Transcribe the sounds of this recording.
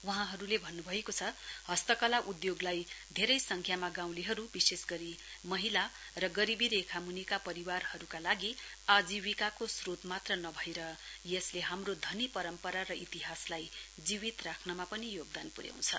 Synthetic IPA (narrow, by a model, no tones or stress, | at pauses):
wʌɦãɦʌɾulebʱʌnːubʱʌekot͡sʰʌhʌst̪ʌkʌlaʔud̪joɡlajd̪ʱeɾʌjsʌŋkʰjamaɡaw̃liɦʌɾubisesɡʌɾimʌɦila | rʌɡʌɾibiɾekʰamunikapʌɾiwarhʌɾukalaɡiad͡ziwikakosrot̪mat̪rʌnʌbʱʌeɾʌjesleɦamrod̪ʱʌnipʌɾʌmpʌɾaɾʌʔit̪iɦaslajd͡ziwit̪rakʰnʌmapʌnijoɡ̚d̪anpuɾja̰w̃t͡sʰʌ̰